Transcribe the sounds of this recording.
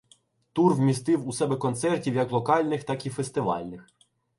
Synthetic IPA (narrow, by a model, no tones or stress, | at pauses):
t̪urwmʲist̪ɪwusɛbɛkɔnt̪sɛrtʲiwjɐklˠɔkɑlʲnɪxt̪ɑkʲifest̪ɪʋɑ̰lʲnɪx